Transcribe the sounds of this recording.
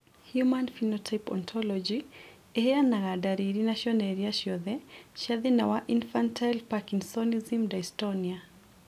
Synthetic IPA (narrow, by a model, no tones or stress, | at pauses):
hjumanfinɔtʰajpɔ̰nt̪ʰɔlɔd͡ʒi | ɛhɛanaɣadaɾiɾinaʃɔnɛɾiaʃjɔðɛʃaðinawaʔinfantʰajlpakinsɔnizimdajstɔnia